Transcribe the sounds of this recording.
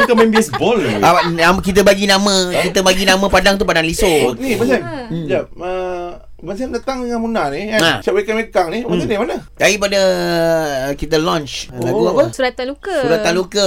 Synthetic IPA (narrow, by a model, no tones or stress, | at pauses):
k̪amɛ̃mbiɛsbɔlaamkit̪̬əbaɡinãmə̃kit̪əbaɡinãmə̃padaŋt̪̬upadaŋlisonibəsand͡ʒaə | bəs̬andat̪aŋəŋanmunaniaasawekanwekaŋniadimanədaipadə | kit̪əlɔ̃nt͡ʃak̪uapəsuɾat̪anlukəsuɾat̪anlukə